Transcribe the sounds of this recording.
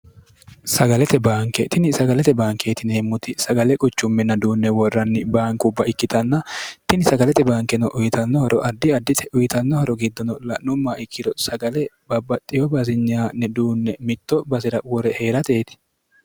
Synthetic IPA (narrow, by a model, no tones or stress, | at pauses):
sɐɡɐlɛt̪ɛbaːŋkɛt̪ɪnɪsɐɡɐlɛt̪ɛbaːŋke̞ːt̪ɪneːmːʊt̪ɪsɐɡɐlɛkʼʊt͡ʃːʊmːɛnːɐd̪uːnːɛwɔrːɐnːɪbaːŋkʊbːɐɪkːɪt̪ɐnːɐt̪ɪnɪsɐɡɐlɛt̪ɛbaːŋkɛnɔʔʊjɪt̪ɐnːɔhɔɾɔʔɐd̪ːɪɐd̪ːɪt̪ɛʔʊjɪt̪ɐnːɔhɔɾɔɡɪd̪ːɔnɔlɐnʊmːaɪkːɪd̪ɔsɐɡɐlɛ | bɐbɐt̪ʼːɪjɔbɐzɪɲːaːnːɛd̪uːnːɛmɪt̪ːɔbɐzɪɾɐwɔɾɛhe̞ːɾɐt̪e̞ːt̪ɪ̥